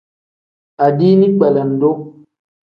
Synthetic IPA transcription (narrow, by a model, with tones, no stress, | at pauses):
a˨diː˦nĩ˦k͡pɛ˨lɛ˨n̩˨do˦